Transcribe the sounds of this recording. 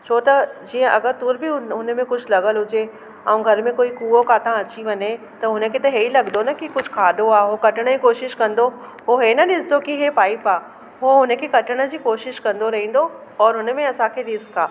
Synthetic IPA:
t͡ɕʰoːt̪ɐd͡ʑiːə̃ʔɐɡəɾt̪ʊɾbʱiʊʊnmẽkʊd͡ʑʱlɐɡəlɦʊd͡ʑe | ɛũɡʱɐɾmẽkoːikuːokaːt̪ãɐt͡ɕiʋɐɲe | t̪ɐɦʊnə̆kʰet̪ɐɦeːilɐɡd̪onɐkikʊd͡ʑʱkʰaːɗoaːɦokɐʈəɽ̃d͡ʑiːkoːʃɪʃkɐ̃nd̪oɦoɦenɐɗɪsd̪okiɦepaːɪpaː | ɦoɦʊnə̆kʰekɐʈʰəɽ̃ə̆d͡ʑiːkoːʃɪʃkɐ̃nd̪oɾɐɦĩːn̆d̪o | ɔːɾɦʊnəmẽɐsãkʰeɗɪskaː

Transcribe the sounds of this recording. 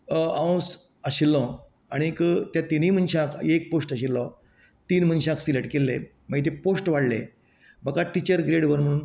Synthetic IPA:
ãw̃s | əɕilːɔ̃ | aɽ̃ikt̪jat̪inim̤ənɕãkʰek̚posʈəɕ̬ilːɔ | t̪iːnm̤ənɕãksileʈkelːḛ | məɡit̪̬eposʈʋaɽlḛ | bəkaʈit͡ɕəɾɡɾeɽʋəɾm̤əɽ̃uːn

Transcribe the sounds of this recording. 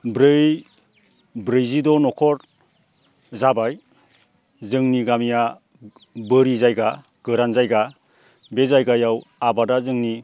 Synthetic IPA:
bɾɯj | bɾɯjzidɔnɔkʰɔɾ | zabaj | zɯŋniɡamija | bɯɾizajɡa | ɡ̥ɯɾanzajɡa | bezajɡajawabadazɯŋni

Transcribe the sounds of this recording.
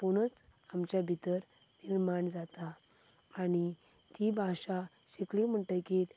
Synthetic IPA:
poɽ̃ət͡s | amt͡ɕjabʱit̪əɾ | niɾmaɳd͡zat̪aː | ɽ̃i | t̪ibʱaɕa | ɕeklim̤əɳʈəjkit̪

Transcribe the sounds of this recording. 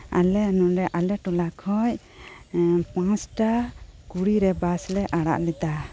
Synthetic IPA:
a̰lɛnuʔɾɛʔalɛʈɔlakʰɔc | pãt͡ʃʈakuɽiɾɛbaslɛʔaɽa̰ʔlɛt̪a

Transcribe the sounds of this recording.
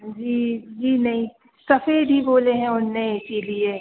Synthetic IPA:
d͡ʒiːd͡ʒiːnɐɦĩ | sɐfeːd̪ʱɦiboːleɦɛ̃ʊnneɪsilie

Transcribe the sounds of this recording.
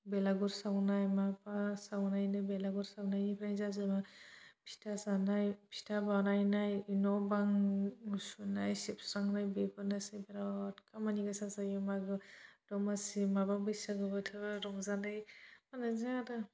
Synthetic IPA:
belaɡuɾsawnajmapasawnajnajbelaɡuɾsawnajipʰnajzazamapʰi̥tasanajpʰi̥tʰabanajnajinɔbaŋ | sunajsipsɾaŋnajbebɯnasibeɾatkamaniɡasasajɔmaɡɯd̥ɔmasimababɯsaɡɯbɯtʰɯbaɾɔŋzanajmanazadɯ

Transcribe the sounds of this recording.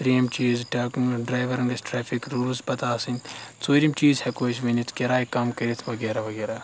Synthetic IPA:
pɾiɐmt͡ʃiːzʈaːkuŋɖɾaːjʋɐɾɐ̃ŋɡɐsʈɾeːfʰikɾuːlzpɐt̪aːsinʲt̪t͡soːɾʲimt͡ʃiːzhɛkoːʃʋɐnit̪kʲɐɾaːjkɐmkɐɾit̪ʰʋɐɡeːɾaʋɐɡeːɾaː

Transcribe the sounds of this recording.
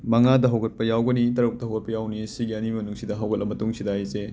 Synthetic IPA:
mɐŋadɐɦɐwɡɐt̚pɐjawɡɐnitɐɾuk̚dɐɦɐwɡɐt̚pɐjawnisiɡiɐnimɐnuŋsidɐɦɐwɡɐt̚lɐmɐtuŋsidajse

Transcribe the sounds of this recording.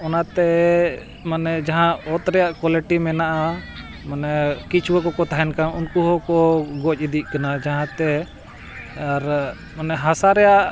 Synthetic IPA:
ɔnat̪ɛ | manɛd͡ʒaɦãɔt̪ɾɛjaʔkwaliʈimɛnaʔa | manɛkit͡ʃʰwəkɔkɔt̪aɦɛnkanunkuɦɔkɔɡɔt͡ʃ̚id̪iʔ̚ˀkanad͡ʒaɦãt̪ɛ | ɾ | manɛɦasaɾɛjaʔ

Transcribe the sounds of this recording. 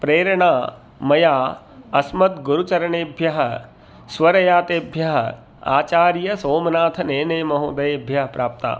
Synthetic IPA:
pɾeːɾɐɳaː | mɐjaː | ɐsmɐt̪ɡuɾut͡ʃɐɾɐɳeːbʱjɐɦɐ̆ | sʋɐɾɐjaːt̪eːbʱjɐɦɐ̰ | a̰ːt͡ʃaːɾjɐsoːmɐnaːt̪ʰɐneːnɐjmɐɦuːd̪ɐjeːbʱjɐɦɐpɾaːp̚t̪a̰ː

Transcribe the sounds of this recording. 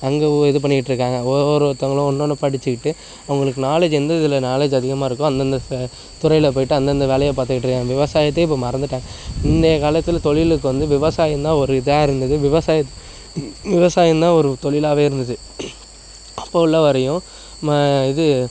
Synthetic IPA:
ɐŋɡɐɛðɯp̬ɐɳːɪkɪʈːɾɯkːaːŋɡɐɔɾɯt̪ːɐŋɡɐɭʊ̃ɔnːoːnːɯpɐɽɪt͡ʃːɯkɪʈːɯ | ɐʋɐŋɡɐɭɯkːɯnaːleːd͡ʒɛnd̪ɐɪðɪlɐnaːleːd͡ʒɐðɪɣɐmaːɪɾɯkːʊ̃ɐnd̪ɐnd̪ɐ | t̪ʊɾɐɪlɐp̬oːjɪʈːɯɐnd̪ɐnd̪ɐʋeːɭɐjɐpaːt̪ɯkɪʈːɾɯkːãːŋɐʋɪʋɐsaːjɐt̪̬ːeɪp̬ːoːmɐɾɐnd̪ɯʈːãːɪnd̪ɐjɐkaːlɐt̪ːɪlt̪ɔɭɪlɯk̬ːɯʋɐnd̪ɯʋɪʋɐsaːjɐnd̪ãːɔɾɯɪðɐjaːɪɾɯnd̪ɐðɯʋɪʋɐsaːjɐt̪ː | ʋɪʋɐsaːjɐnd̪ãːɔɾɯt̪ɔɭɪlaːʋeːɪɾɯnd̪ɐðɯ | ɐpːoːɪlːɐʋɐɾɐjʊ̃ | mːɪðɯ

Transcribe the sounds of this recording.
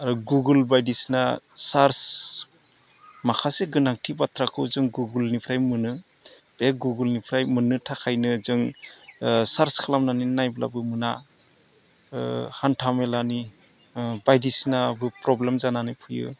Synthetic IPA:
aɾuɡuɡɯlbajdisnasaɾs | makʰaseɡɯnaŋtʰibatʰɾakʰɯwzɯŋɡuɡɯlnipʰɾajmɯnɯ | b̥eɡuɡɯlnipʰɾajmɯnɯtʰakʰajnɯzɯŋ | saɾskʰalamnaninajbla̰bɯmɯna̰ | hantʰamelani | bajdisnabɯpɾɔblemzananɯpʰujɯ̰

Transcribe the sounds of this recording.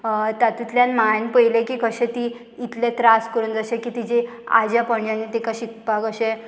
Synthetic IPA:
t̪at̪ut̪ljãnmanpəjlẽkiːkəɕẽt̪iː | t̪lẽt̪ɾaskəɾuːnd͡zəɕekit̪id͡ʑe | a̰d͡ʑjapəɳd͡ʑanet̪ekaɕik̚pakəɕe

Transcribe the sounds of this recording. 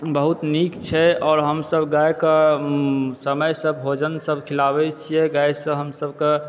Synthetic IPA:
bəɦut̪nikt͡ʃʰɛɔːɾɦəmsəbɡajkə | səməjsəbɦod͡ʒənsəbʱkʰilabɛt͡ʃʰijɛɡajsə̃ɦəmsəbke

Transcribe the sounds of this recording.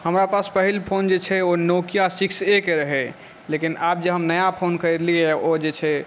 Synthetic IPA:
həmɾapaspəɦilpʰond͡ʒet͡ʃʰɛonokijasiksekeɾəɦɛ | lekinap̚d͡ʒeɦəmnəjapʰonkəɾed̪liɛod͡ʒet͡ʃʰɛ

